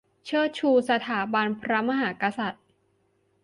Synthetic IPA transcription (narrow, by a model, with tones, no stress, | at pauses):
t͡ɕʰɯ˥˩t͡ɕʰuː˧sa˧t̪ʰaː˩˦ba˧npʰɾa˦˥ma˧ɦaː˩˦ka˧sa˨˩t̪̚